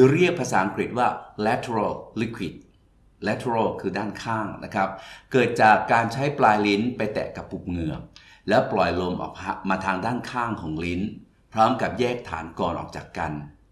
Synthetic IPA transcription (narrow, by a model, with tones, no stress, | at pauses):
ɯ˧ɾi˥˩ək̚pʰa˧saː˩˦ʔa˧ŋkɾi˨˩t̪̚waː˥˩lɛ˦˥t̪ʰe˧ɾa˥˩lli˦˥kʰwi˨˩t̪̚ | lɛ˦˥t̪ʰe˧ɾa˥˩lkʰɯː˧daː˥˩nkʰaː˥˩ŋna˦˥kʰɾa˦˥p̚kɤː˨˩t̪̚t͡ɕaː˨˩kːaː˧nt͡ɕʰa˦˥jplaː˧jli˦˥npa˧jt̪ɛ̰ː˨˩ka˨˩pːu˨˩p̚ŋɯ˨˩əŋ̚lɛː˦˥plɔ˨˩jlo˧mʔɔ̰ː˨˩k̚a˧maː˧t̪ʰaː˧ŋdaː˥˩nkʰaː˥˩ŋkʰɔː˩˦ŋli˦˥n | pʰɾɔː˦˥mka˨˩p̚jɛː˥˩k̚t̪ʰa̰ː˩˦nkɔː˧nʔɔ̰ː˨˩k̚t͡ɕaː˨˩kːa˧n